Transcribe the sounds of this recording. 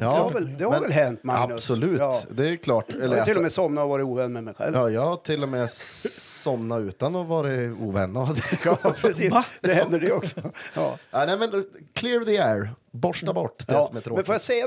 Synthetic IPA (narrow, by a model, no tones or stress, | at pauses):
jɑːɛhavɛld̪ɛhaɾvɛlɦɛnt̪maaəssɔlʉ̟ːtːd̪ɛkʰlɑːʈɛlːəɾɪlːɔmɛsɔmnaɔvɑːɾɪuːvɛnːmɛmɛjɧɛ̰ljɑːjɑːɡt̪ʰɪlːɔmɛ | sɔmnaʉːt̪anɔvɑːɾəṵːvɛnːad̪ɑpʰɾɛsiːd̪ɛhɛnd̪əɖɛɔksɔjɑ̰ːnaːnɛɪmɛnkʰlɪɾðiɛːɹbɔʂʈabɔʈːd̪̥ɛsɔmɛɾomɛnfoːjasɛja